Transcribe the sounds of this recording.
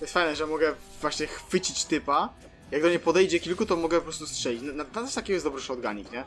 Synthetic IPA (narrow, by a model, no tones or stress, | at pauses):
t̪ɔjɛst̪fajnɛʐɛmɔɡɛvwaɕɲɛxfɘt͡ɕit͡ɕt̪ɘpa | jaɡ̚d̪ɔɲɛpɔd̪ɛjd͡ʑɛkʲilkut̪ɔmɔɡɛpɔpɾɔst̪ustʂɛlʲit͡ɕnananat̪ḁʃt̪akʲɛɡɔjɛsd̪ɔbɾɨʂɔd̪ɡaɲikɲɛ